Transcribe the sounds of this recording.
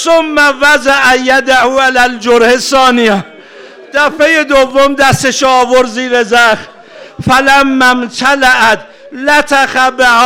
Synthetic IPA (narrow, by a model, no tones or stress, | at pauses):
somːævæzaʔæjæd̪ahuːʔalæld͡ʒoɾhesːɒːnijæ | d̪̥æfejed̪ovːomd̪æst̪eʃoːvoɾziːɾezæxt̪ | fælæmːæmt̪ʰalaʔæt̪ | læt̪ʰæxæbehː